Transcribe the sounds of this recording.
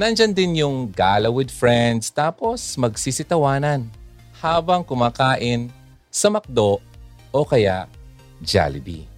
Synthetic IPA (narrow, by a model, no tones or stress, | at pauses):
nɐnd͡ʒand̪ɪnjʊŋɡalɐwɪd̪̚fɹɛnd̪st̪aːpo̞smɐɡsisɪt̪ɐwaːnɐn | haːbɐŋkʊmaːkaːʔɪn | sɐmɐk̚d̪oʔ | ʔokɐja̰ʔ | d͡ʒa̰lɪbḭ